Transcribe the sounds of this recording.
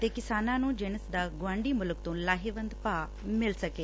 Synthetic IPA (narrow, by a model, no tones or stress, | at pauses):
t̪eːkɪsaːnãnũːd͡ʒeñəsd̪aːɡʊʋãːɳɖimʊlʊk̚t̪õːlaːɦeʋə̃nd̪paː | mɪlsɐkeː